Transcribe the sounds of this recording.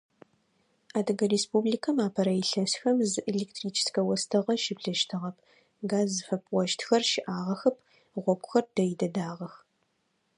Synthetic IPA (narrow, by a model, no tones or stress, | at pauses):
aːdɐɡɐreːspubliːkʰɐmaːpʰɐɾɐjɪɬɐsxɐmzɨʔeɮeːktʰriːt͡ʃʰɪ̥skɐwɐstʰɐʁɐʃɪbɮɐʃtʰɨʁɐp̚ʰ | ɡaːzɨfɐpʰwɔʃtʰxɐrʃɪʔaːʁɐxɨp̚ʰ | ʁʷɔkʷʊ̥xɐrd̥ɐjidɐdaːʁɐx